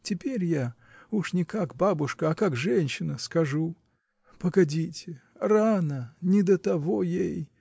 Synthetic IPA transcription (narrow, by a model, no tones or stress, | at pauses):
tʲɪpʲeɾʲja | uʂnʲɪkakbabʊʂkəɐkakʐɛnʲɕɪnəskɐʐu | pəɡɐdʲitʲɪranənʲɪd̪ət̪ɐvojej